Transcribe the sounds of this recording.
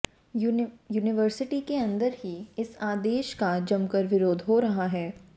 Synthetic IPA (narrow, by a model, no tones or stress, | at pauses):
juːnɪʋəɾsɪʈikeɐ̃nd̪əɾɦiɪsaːd̪eːʃkad͡ʒɐmkəɾʋɪɾoːd̪ʱɦoɾɐɦaɦɛː